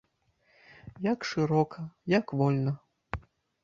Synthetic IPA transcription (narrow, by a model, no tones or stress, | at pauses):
jakʂɨɾɔkʰɐjakvɔlʲnɐ